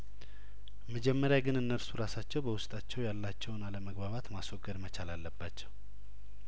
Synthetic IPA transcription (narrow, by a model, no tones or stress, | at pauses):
məd͡ʒɛmːəɾjaɡɨnɨnːəɾsuɾasat͡ʃːɛwbəwʊst̪ʼat͡ʃːɛwjalːat͡ʃːɛwnaləməɡbaβat̪maswoɡːəd̪mət͡ʃalalːəbːat͡ʃːɛw